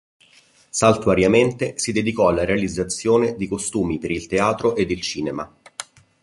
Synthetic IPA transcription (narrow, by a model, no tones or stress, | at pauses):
salt̪uaɾjament̪esid̪ed̪ikɔalːaɾealid̪zːat̪sːjoːned̪ikost̪uːmipeɾilt̪eaːt̪ɾoʔed̪ilt͡ʃiːnema̰